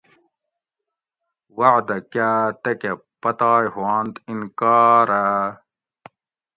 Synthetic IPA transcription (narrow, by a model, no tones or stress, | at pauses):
waʕd̪ɐkaːt̪eke | pɐt̪aːjhwaːnt̪inkaːɾa